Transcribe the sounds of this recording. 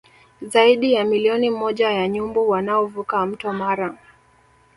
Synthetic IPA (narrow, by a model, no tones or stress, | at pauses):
zaiɗijamiliɔnimɔʄajaɲumbuwanaɔvukam̩tɔmaɾa